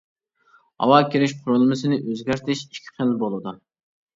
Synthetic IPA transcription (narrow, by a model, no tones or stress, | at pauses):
hɑ̰wɑːkʲʰiɾɪʃqʰʊɾʊlˠmɨsɨnɪʔøzɡʲæɾt̪ʰɪʃi̥kʲʰi̥χʰɪlbolˠɨd̪u